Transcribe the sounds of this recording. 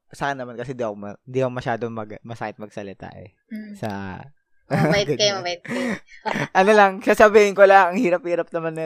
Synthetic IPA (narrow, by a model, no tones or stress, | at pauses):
sɐkanɐmankɐsɛnd̪iʔɐkomɐɪnd̪iʔɐkomɐʃaːd̪omɐɡmɐsaːkɪt̪̚mɐɡ̚sɐlɪt̪a̰ʔɛ̰ | sɐ̰ | bɐɡ̪kɐjmɐbɐjɪt̪̚ | ʔɐnolɐŋsaːsɐbiːhɪnkolaɐŋhiːɾɐp̚hiːɾɐp̚nɐmanːɛ